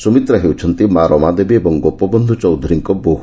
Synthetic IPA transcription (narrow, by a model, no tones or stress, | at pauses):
sumit̪ɾaɦewt͡ʃʰɔnt̪imaɾɔmad̪ebiebɔŋɡopɔbɔnd̪ʱut͡ʃɔwd̪ʱɔɾiŋkɔboɦ